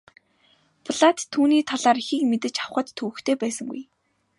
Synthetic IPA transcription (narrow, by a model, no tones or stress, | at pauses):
pɮat̪t̪ʰːuːniːt̪ʰaɮaːɾixiːkmet̪ɘ̆t͡ɕawχə̆t̪ʰːɵwɵ̆xt̪ʰeːpæːsə̆ŋɡṵj